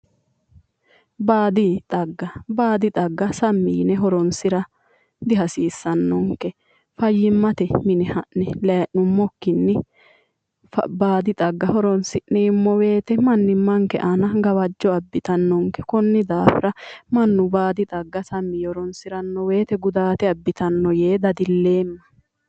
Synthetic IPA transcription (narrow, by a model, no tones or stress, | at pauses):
baːd̪ɪt̪ʼɐɡːɐbaːd̪ɪt̪ʼɐɡːɐsɐmːiːnɛɦɔɾɔnsɪɾɐ | d̪ɪɦɐsiːsːɐnːɔŋkɛ | fɐjːɪmːɐt̪ɛmɪnɛhɐʔɛlɐɐʔʊmːɔkːɪnːɪ | baːd̪ɪt̪ʼɐɡːɐhɔɾɔnsɪʔnɛːmːɔwe̞ːt̪ɛmɐnːɪmːɐŋkɛ̰ʔɐnɐɡɐwɐd͡ʒːɔɐbːɪt̪ɐnːɔŋkɛkɔnːɪd̪aːfɪ̰ɾɐmɐnːʊbaːd̪ɪt̪ʼɐɡːɐsɐmːiːhɔɾɔnsɪɾɐnːɔwe̞ːt̪ɛɡʊd̪aːt̪ɛɐbːɪt̪ɐnːɔje̞ːd̪ɐd̪ɪlːe̞ːmːɐ̥